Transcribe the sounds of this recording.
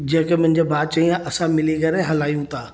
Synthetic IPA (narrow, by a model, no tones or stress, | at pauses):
d͡ʑɐɪ̃kemʊ̃ɦɪ̃ɲd͡ʑebaːd̪̚t͡ɕɐĩãʔɐsãmɪliɡɐɾeɦɐlaːijũt̪ʰaː